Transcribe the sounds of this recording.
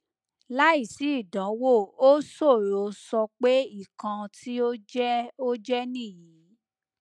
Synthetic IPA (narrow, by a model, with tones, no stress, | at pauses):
la˦i˦˨si˨˦i˦˨dɔ̃˨˦wo˦˨o˦so˦˨ɾo˨˦sɔ˧k͡pe˦i˦˨kã˧tʰi˦o˦d͡ʒɛ˦o˦d͡ʒɛ˦nĩ˦˨jĩ˨˦